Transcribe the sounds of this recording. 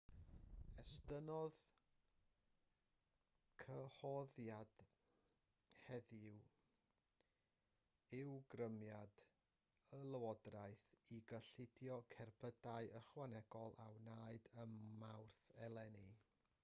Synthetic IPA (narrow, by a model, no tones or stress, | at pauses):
ɛstənɔð | kʰəhɔðjad̥ | hɛðɪw | ɪwɡrəmjad | əlˠəwɔdraɨθiɡəɬɪdjɔkʰɛrpʰədaɨəχwanɛɡ̥ɔlˠʔawnaːɨdəmmːawrθɛlˠɛni